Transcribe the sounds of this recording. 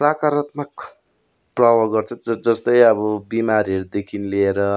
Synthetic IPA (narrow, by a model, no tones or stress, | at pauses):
rakaɾʌt̪mak̚ | prʌbʌɡʌrt͡sʰʌʌd͡zʌst̪ʌjʌbʌbimaɾiʌɾud̪ekʰinileeɾʌ